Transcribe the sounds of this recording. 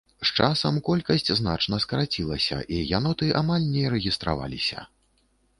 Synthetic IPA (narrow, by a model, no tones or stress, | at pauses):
st͡ʂasɐmkɔlʲkɐsʲt͡sʲznat͡ʂnɐskɐɾat͡sʲilˠɐsʲɐ̰ʔijanɔt̪ɨʔamalʲnʲɛɾɛɣʲist̪ɾa̰va̰lʲisʲɐ̰